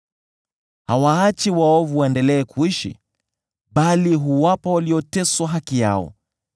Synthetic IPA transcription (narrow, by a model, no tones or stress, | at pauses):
hawaat͡ʃiwaɔvuwaɛndɛlɛːkʰuiʃḭ | ɓaliɦuwapawaliɔtɛswaɦakija̰ɔ̰